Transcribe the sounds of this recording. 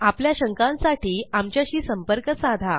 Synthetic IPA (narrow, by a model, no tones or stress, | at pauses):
apljaɕəŋkãnsaʈʰiːamt͡ɕjaɕiːsəmpəɾkəsad̪ʱa